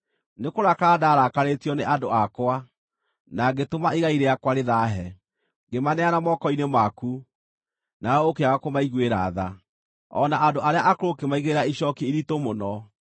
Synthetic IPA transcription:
nekoɾakaːdaːɾakaɾetiɔneʔadoakwa | naɡetomaiɣaiɾejakwaɾeðaɦɛ | ɡemanɛanamɔkɔinemaku | naɔokeaɣakomaiɣweɾa̰ða | ɔ̰naʔandoʔaɾeaʔakoɾokemaiɣeɾaiɕɔkiiɾitomonɔ

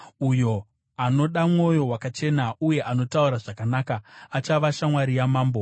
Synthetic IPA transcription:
ujo̞ | ano̞ɗamŋo̞jo̞wakat͡ʃe̞nauje̞ʔano̞tauɾaʐakanaːkaːt͡ʃaʋaʃamwaɾijamaːmbo

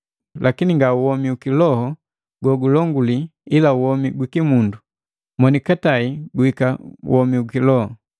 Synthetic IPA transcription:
lʔakiniŋɡauwɔmiukilɔhɔ | ɡwɔɡulɔŋɡuliilauhɔmiɡwikimundu | mwɔnikataiɡuhikaṵwɔmiuɡkilɔhɔ

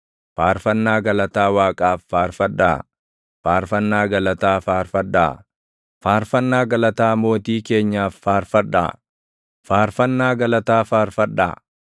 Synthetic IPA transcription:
faːɾfɐnːaːɡɐlɐt̪aːwaːkʼaːfːaːɾfɐᶑa̰ː | faːɾfɐnːaːɡɐlɐt̪aːfaːɾfɐᶑa̰ː | faːɾfɐnːaːɡɐlɐt̪aːmo̞ːt̪iːke̞ːɲːaːfːaːɾfɐᶑa̰ː | faːɾfɐnːaːɡɐlɐt̪aːfaːɾfɐᶑːa̰ː

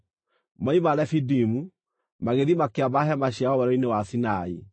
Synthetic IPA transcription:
maimalɛfidimu | maɣeðimakeabaɦɛmaɕaɔwɛɾɔinewasinai

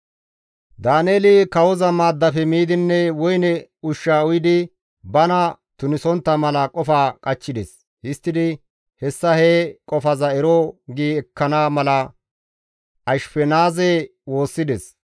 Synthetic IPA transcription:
d̪aːneːlɪkɐwɔzɐmaːd̪ːɐfɛmiːd̪ɪnːɛwɔjnɛʊʃːaːʊjɪd̪ɪ | bɐnɐ | t̪ʊnɪsɔnt̪ːɐmɐlɐkʼɔfaːkʼɐt͡ʃːɪd̪ɛs | hɪst̪ːɪd̪ɪ | hɛsːɐheːkʼɔfɐzɐɛɾoɡiːɛkːɐnaːmɐlɐ | ɐʃfɛnaːzewo̞ːsːɪd̪ɛs

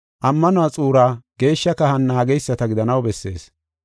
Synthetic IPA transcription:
ʔɐmːɐnʊwat͡sʼuːɾaːɡ̥e̞ːʃːɐkɐhɐnːaːɡɛjsːɐt̪ɐɡɪd̪ɐnɐwbɛsːe̞̰ːs

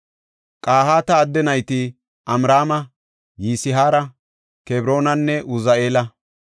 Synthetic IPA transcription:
kʼaːhaːt̪ɐːd̪ːɛnɐjt̪ɪ | ɐmɾaːmɐ | jiːsɪɦaːɾɐ | kebɾo̞ːnɐnːɛʔʊzɐeːlɐ

